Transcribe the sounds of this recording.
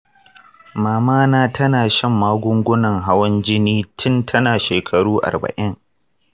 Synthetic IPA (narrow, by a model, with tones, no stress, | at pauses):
maː˨maː˦naː˦tʰɐ˦naː˨ʃɐ˦˨mːaː˦ɡʷʊ˦ŋɡʷʊ˦nɐ˨ŋɦa˦wɐ˦nd͡ʒɪ˦niː˦tʰɪ˦ntʰɐ˦naː˨ʃeː˨kʰɐ˨ɽuː˦ʔa̰˨rbɐ̰˨ʔɪ˦ŋ